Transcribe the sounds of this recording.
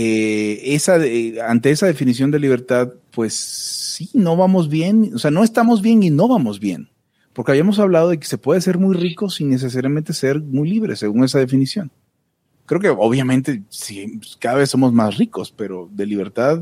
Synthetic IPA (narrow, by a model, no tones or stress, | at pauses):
eesaðeant̪e̞e̞saðe̞finis̬jo̞nd̪e̞liβ̞e̞ɾt̪aðpwe̞sːinoβamo̞zβje̞nose̞ano̞e̞st̪amo̞zβje̞nino̞βamo̞zβje̞̰n | po̞ɾkeaβjiamo̞s̬aβlað̞o̞ð̞e̞k̬ese̞pwe̞ðese̞ɾmujrikosinːe̞s̬es̬aɾjamẽnt̪ese̞ɾmujliβɾesːe̞ɣuŋe̞s̬aðe̞finisjo̞ŋ | kɾe̞oke̞oβjamẽ̞nt̪e̞sikaðaβe̞sːo̞mo̞zmasriko̞spe̞ɾo̞ðe̞liβ̞e̞ɾt̪að